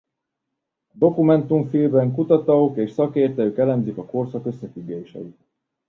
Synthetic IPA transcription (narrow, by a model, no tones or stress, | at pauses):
d̪o̞kumɛnt̪uɱfirbɛŋkut̪ɒt̪ɒokeːʃsɒkeːrt̪ɛykɛlɛmzikɒko̞rsɒkø̞sːɛfyɡːɛjʃɛ̰it̪